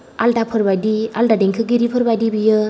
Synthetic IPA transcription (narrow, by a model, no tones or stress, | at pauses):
a̰lʈapʰɯɾbadia̰ldadeŋkʰɯɡiɾipʰɯɾbadibɯjɯ